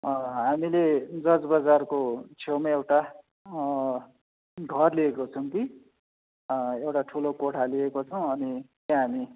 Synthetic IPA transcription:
ɦamiled͡zʌd͡zbʌd͡zarkot͡sʰewmaewʈa | ɡʱʌrliekot͡sʰʌw̃ki | ewʈaʈʰulokoʈʰaliekot͡sʰʌw̃ʌnit̪jãɦami

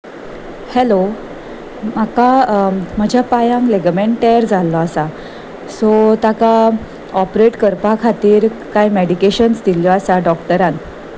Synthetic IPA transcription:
hɛlo | makam̤əd͡ʑʱjapajãŋkleɡmeɳʈejɾd͡zalːɔasa | sɔt̪aka | ɔpɾeʈkəɾpakʰat̪iːɾkajmeɽikeɕənst̪iljɔasaɖɔkʈəɾãn

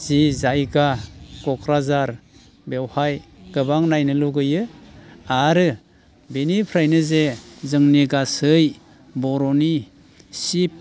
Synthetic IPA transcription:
z̥izajɡaɡ̥ɔkʰɾazaɾ | bewhajɡ̥ɯbaŋnajnɯluɡɯjɯ | aɾɯ | benipʰɾajnɯzezɯŋniɡasɯj | bɔɾɔni | sip̚

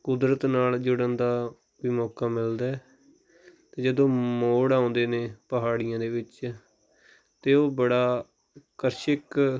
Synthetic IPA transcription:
kʊd̪ɾət̪naːld͡ʒʊɽənd̪aː | ʋiːmɔːkaːmɪld̪aː | t̪eːd͡ʒəd̪õːmoːɽãːʊ̃ːnd̪eːneːpəɦaːɽɪjãːd̪eːʋɪt͡ʃ | t̪eːoːbəɽaː | kəɾʃɪk

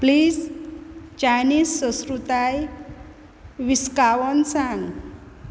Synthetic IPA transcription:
pliːz | t͡ɕajniːsːə̃skɾut̪aj | ʋiskaʋɔnsãŋɡ

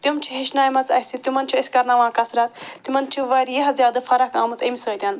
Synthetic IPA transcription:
t̪ʲumt͡ʃʰiɦiʃnaːjmɐt͡sɐsit̪umɐnt͡ʃʰiɐsʲkɐɾnaʋãːkɐsɾat̪t̪ːimɐnt͡ʃʰuʋɐjɾjɐɦɐzʲjaːd̪ɨfɐɾɐkaːmɐt͡simʲisəːt̪ʲɐn

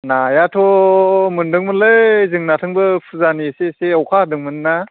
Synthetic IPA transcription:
najatʰɔmundɯŋmɯnlɯjzɯŋnatʰɯŋbɯpʰuzaniseseawkʰadɯŋmɯnːa

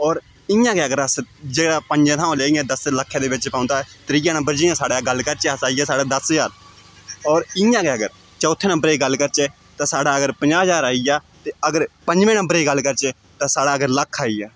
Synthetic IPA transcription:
ɔːɾ | ɪjãːkeːəɡəɾəsd͡ʒeːɽaːpəɲd͡ʒẽːt̪ʰãːõleːijãːd̪əsləkʰːãːd̪eːʋɪt͡ʃpãːnd̪aːɛt̪ɾiːãːnəmbəɾd͡ʒɪjãːsaːɽaːɡəlːkəɾt͡ʃeəsaːijɛːsaːɽaːd̪əsəd͡ʒaːɾ | ɔːɾɪjãːkeːəɡəɾ | t͡ʃɔːt̪ʰːeːnə̃mbəɾeːɡəlːkəɾt͡ʃeː | t̪ãːsaːɽaːəɡəɾpəɲd͡ʒaːɦd͡ʒaːɾaːijaː | t̪eːəɡəɾpə̃ɲd͡ʒʋẽːnə̃mbəɾeːɡəlːkəɾt͡ʃeː | t̪ãːsaːɽaːəɡəɾləkʰːaːiːjaː

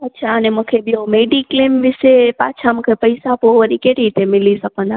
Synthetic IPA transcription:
ətːʃʰaəneməkʰebʱiomeɖiklemʋɪsepat͡ʃʰaməkʰepəjsapoʋəɾikeʈit̪emilisəkona

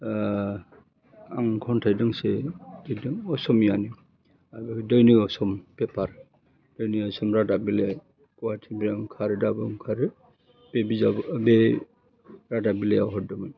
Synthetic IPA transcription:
aŋkʰɔntʰajdɯŋsedɯdɯŋɔsɔmjani | abadɔjniɔsɔmpepʰaɾ | d̥ɔjniɔsɔmɾadabile | kɔwatʰibaŋkʰaɾɯdabɯŋkʰaɾɯ | b̥ebizabbe | ɾadabileawɦɔdɯmɯj

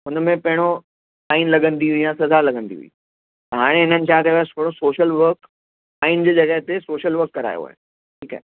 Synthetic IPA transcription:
ɦʊnmẽpɐɦɪ̃ɽ̃o | saːinlɐɡə̃nd̪iɦʊijãsɐzalɐɡə̃nd̪ḭɦṵḭː | t̪ɐɦaːɽ̃eɦɪnənɪ̆t͡ɕʰãkɐjat̪ʰoːɽosoːʃəlʋəɾk | aːind͡ʑeːd͡ʑɐɡəɦt̪esoːʃəlʋɐɾkːɐɾa̰ːjo̰ɦa̰ːɦḛ | ʈʰiːka̰ɦe

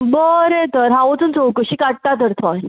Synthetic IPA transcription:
bəɾet̪əɾɦaʋot͡sənt͡sowkəɕiːkaʈ̚t̪at̪əɾt̪ʰɔj

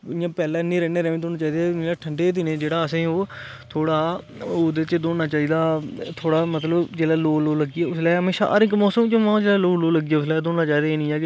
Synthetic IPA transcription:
jãːpɛːlɛːnĩːɾɛːneːɾɛːʋẽːt̪oːnaːt͡ʃaːiːd̪eːneːlaːʈʰəɳɖeːd̪ɪneːd͡ʒeːɽaːəsẽːoː | t̪ʰoːɽaː | oːd̪eːt͡ʃd̪oːnaːt͡ʃaːiːd̪aːt̪ʰoːɽaːmət̪ləbd͡ʒeːɽaːloːloːləɡːiɛːʊslaːɦəmeːʃa̰ːʔə̰ɾɪkmɔːsəmt͡ʃõmãːd͡ʒeːɽaːloːloːləɡiːjɛːʊslaːd̪oːnnaːt͡ʃaːiːd̪aːeːnĩːɛːkɪ

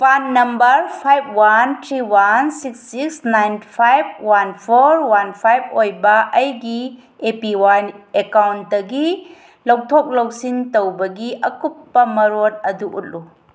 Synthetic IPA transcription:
panːɐmbɐɾpʰajb̚ʰwantʰɾiwansiksːiksnajnpʰajb̚wanpʰoɾwanpʰajb̚ʰojbɐʔɐjɡi | epiwanekawnt̚dɐɡi | lɐw̚tʰok̚lowsintowbɐɡiʔɐkupːɐmɐɾot̚ɐduʔṵt̚lu

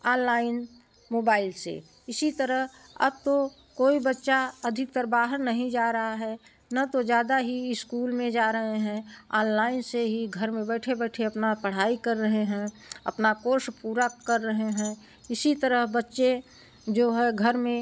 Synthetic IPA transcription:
aːnlaːɪn | moːbaːɪlsḛ | ɪsit̪əɾəɦ | ɐ̰b̚t̪o | koːibətːʃaɐd̪ʱɪk̚t̪əɾbaːɦəɾnəɦĩd͡ʒaːɾɐɦaɦɛː | nat̪od͡ʒjaːd̪aɦiɪskuːlmẽd͡ʒaːɾəɦeɦɛ̃aːnlaːɪnseɦiɡʱəɾmẽbɛːʈʰebɛːʈʰeɐpnapəɽ̤aːikəɾːəɦeɦɛ̃ː | ɐ̰pnakoːɾʃpuːɾakəɾːəɦeɦɛ̃ | ɪsit̪əɾəɦbətːʃe | d͡ʒoːɦɛɡʱəɾmẽ

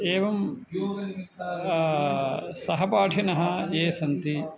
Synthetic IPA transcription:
eːʋɐm | sɐɦɐpaːʈʰɐnɐɦɐeːsɐnt̪i

